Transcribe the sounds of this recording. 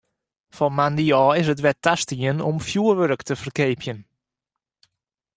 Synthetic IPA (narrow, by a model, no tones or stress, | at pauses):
fɔnmandiɔːɪs̬ət̬ʋɛtastiənɔmfjuərʋøɾəktəfərkeːpʰjən